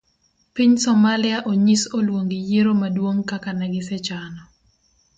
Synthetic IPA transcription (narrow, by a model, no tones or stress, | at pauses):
piɲsɔmalɪaʔoɲisolwoŋɡijeɾomadwoŋkakanɛɡɪsɛt͡ʃanɔ